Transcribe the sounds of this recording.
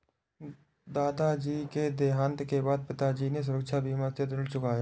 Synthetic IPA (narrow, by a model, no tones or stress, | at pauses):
d̪aːd̪ad͡ʒiːked̪eːɦãːnt̪kebaːd̪̚pɪt̪ad͡ʒiːnes̬ʊɾəkʃʰabʱiːmat̪əd̪ɪlt͡ʃʊkaɦe